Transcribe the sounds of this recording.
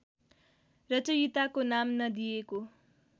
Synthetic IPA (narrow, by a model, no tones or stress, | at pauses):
rʌt͡sujit̪akonamnʌd̪ijeko